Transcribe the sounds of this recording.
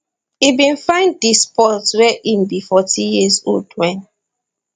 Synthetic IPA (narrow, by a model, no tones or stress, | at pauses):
ibĩnfãɪ̃nddispɔtwɛʔimbifɔtĩjizo̰ldwɛ̃n